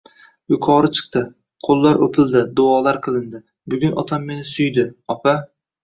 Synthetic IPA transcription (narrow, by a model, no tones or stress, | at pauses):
jʊkʰɒɾɪt͡ʃʰɨ̥qt̪ɪ | qʰolˠːaɾɵpʰɪld̪ɪd̪ʊɒlaɾqʰɨlˠɪnd̪ɪ | bʊɡʲʊnʔɒt̪ʰamːe̞nɪsʊjd̪ɪɒpʰa